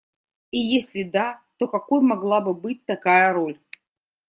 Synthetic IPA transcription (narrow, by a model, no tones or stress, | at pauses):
ijesʲlʲɪd̪at̪okɐkojmɐɡlˠabɨbɨt̚ʲt̪ɐkajəɾolʲ